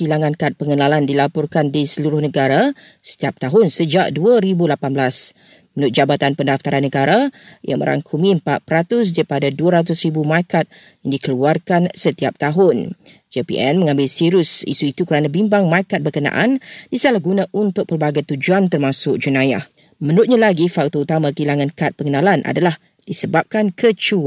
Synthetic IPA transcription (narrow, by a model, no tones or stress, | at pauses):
silaŋãnkat̪̚pəŋənalandilapɔrkandisəluɾʊhnəɡaɾa | sə̥t̪iap̚t̪aɦʊnsəd͡ʒaʔ̚duəɾibulapanblas | mənʊt̪̚d͡ʒabat̪anpəndaft̪aɾanːəɡaɾajʔamə̰ɾʔa̰ŋkʰumĩəmpat̪̚pəɾat̪ʊs̬daɾipadaduəɾat̪̬ʊsɾibumakat̪̚ | jaŋdikəluarkansət̪iap̚t̪aɦʊn | d͡ʒepḭʔɛ̰nmə̃ŋãmbɪlsiɾʊsḭsuit̪ukəɾanãbimbaŋmakat̪̚bərkənã̰ʔandisalahɡunãʔunt̪ʊk̚pərbaɡajt̪ud͡ʒuant̪ərmãsʊk̚d͡ʒunãja̰h | mə̃nʊt̪̚ɲãlaɡifakt̪out̪amãkəilaŋãnkat̪̚pəŋənãlanʔa̰dalah | d̥isəbap̚kankʰət͡ʃu